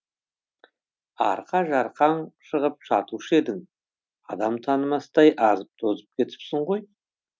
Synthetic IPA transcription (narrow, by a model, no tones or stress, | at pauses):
ɑ̰ɾqʰɑʒɑɾqɑɴʃəʁəp̚ʃɑ̰t̪uʃe̞d̪ɪŋ | ɑd̪ɑmt̪ʰɑnəmɑsəd̪ɑjʔɑzəp̚t̪ʰo̞zəp̚kʲʰe̞t̪ɪ̥psəɴʁo̞j